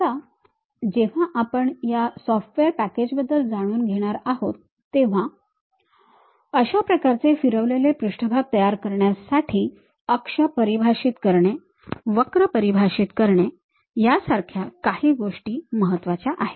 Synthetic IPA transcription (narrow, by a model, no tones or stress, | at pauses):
a | d͡ʑeʋ̤aʔapəɳjasɔfʈʋeɾpæked͡ʑbəd̪ːəld͡zaɽ̃uːnɡʱeɽ̃aɾaɦot̪ːeʋ̤a | əɕapɾəkaɾt͡sefiɾəʋlelepɾuʂʈəbʱaɡ̚t̪əjaɾkəɾɳjasaʈʰiː | əkʂəpəɾibʱaʂiːt̪kəɾɳe | ʋəkɾəpəɾibʱaɕit̪kəɾɳe | jasaɾkʰjakahiːɡoʂʈiːməɦət̪ːʋat͡ɕjaʔaɦe̥